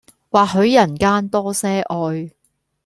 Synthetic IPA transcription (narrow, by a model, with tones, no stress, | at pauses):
waː˨k̚ɦɵ˨˧ɥjɐ˨˩nkaː˥nt̪ɔː˥sɛː˥ʔɔː˧j